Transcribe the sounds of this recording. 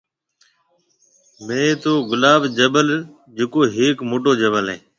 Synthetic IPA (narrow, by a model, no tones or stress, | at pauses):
mẽːt̪oːɡʊlaːbd͡ʒəbəl | d͡ʒekoːɦeːkmoːʈ̬oːd͡ʒəbəlɦḛː